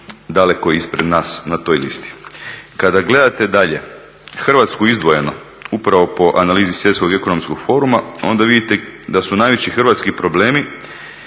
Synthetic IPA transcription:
d̪ale̞koispɾed̪naːsnat̪o̞ːjlḭst̪i̥kad̪aɡle̞d̪at̪e̞d̪aʎe̞ | xr̩ʋat̪skuizd̪ʋoje̞no̞ | upɾaʋo̞po̞ʔanaliːzisʋje̞t̪sko̞ɡe̞ko̞no̞mskoɡ̥fo̞ːɾumao̞̰nd̪aʋid̪it̪ed̪asunaːjʋe̞t͡ɕixr̩ʋat̪skipɾo̞bleːmi

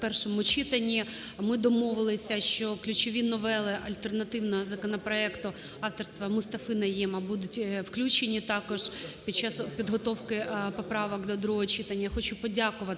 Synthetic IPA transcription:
pɛrʃɔmʊt͡ʃit̪ɐnʲːimɪd̪ɔmɔʋɪlˠɪsʲɐʃt͡ʃɔklʲʊt͡ʃɔʋʲinɔʋɛlˠɪʔɐlʲt̪ernɐt̪ɪwnɐɦɔzɐkɔnɔpɾɔɛkt̪ʊ | ɑft̪ɔrst̪ʋɐmʊst̪ɐfɪnɐjɛmɐbud̪ʊtʲwklʲut͡ʃenʲit̪ɑkɔʒpʲid̪̚t͡ʃːɑspʲid̪ɦɔt̪ɔwkɪpɔpɾɑʋɔkd̪ɔd̪ɾuɦɔɦɔt͡ʃɪt̪ɐnʲːɐxɔt͡ʃupɔdʲakʊʋɐt̪

